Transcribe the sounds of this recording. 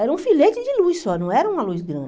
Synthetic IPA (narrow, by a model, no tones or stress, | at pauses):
ɛɾɐũfilet͡ʃɪd͡ʒɪlujssɔnɐ̃w̃ɛɾɐũmɐluzɡɾɐ̰̃